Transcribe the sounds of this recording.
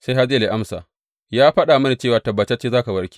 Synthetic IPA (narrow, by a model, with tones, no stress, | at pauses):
sa˦jɦa˦zɪ˦˨le˨ʔa˦msa̰ː˨ | jaː˦ɸɐ˦ɗaː˨mɐ˦na˨t͡ʃe˦˨waː˨tɐ˨bːɐ˨t͡ʃːt͡ʃeː˦zaː˦ka˨bɐ˦ɽkʲi̥˦˨